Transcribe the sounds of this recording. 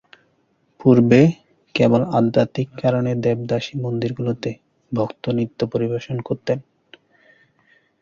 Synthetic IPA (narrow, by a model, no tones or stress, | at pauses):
puɾbe | kebolad̪ːat̪ikːaɾoned̪ɛb̚d̪aʃimond̪iɾɡulot̪e | bʱɔkt̪onit̪ːopoɾibaʃonkoɾt̪en